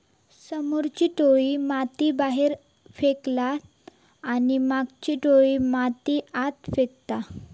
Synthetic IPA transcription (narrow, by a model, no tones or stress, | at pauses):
səmuɾt͡ɕiːʈoɭimat̪ibaɦeɾ | feklaː | nimaɡt͡ɕiʈoɭimat̪iat̪fekt̪a